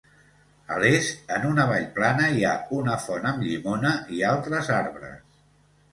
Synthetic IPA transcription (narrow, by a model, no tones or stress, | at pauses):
ə̰lezənunəβ̞aʎplanəiaunəfɔnəmʎimonəʔialˠt̪ɾəzaɾβɾə̰s